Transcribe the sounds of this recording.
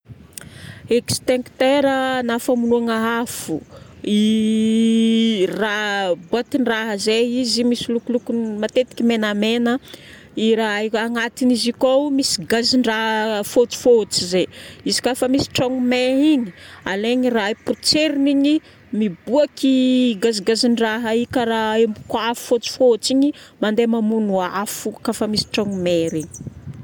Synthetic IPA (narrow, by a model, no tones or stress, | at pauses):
ekst̪eŋkt̪eɾənafamunuaŋaafui | rabuat̪iɳɖ͡ʐaɦəzeizimisilukulukunmat̪et̪i̥kʲimenamenə | iɾaaŋat̪inizikowmisi̥ɡaziɳɖ͡ʐaɦfot͡si̥fot͡sizeizi̥kafəmisi̥ʈ͡ʂaŋumeɾiɲialeɲiraipurt͡seɾiniɲi | mibuakiɡaziɡaziɳɖ͡ʐaɦaikaɾaembukafu̥fot͡si̥fot͡siɲimand̪emamunuafukafəmisi̥ʈ͡ʂaŋumeɾiɲi̥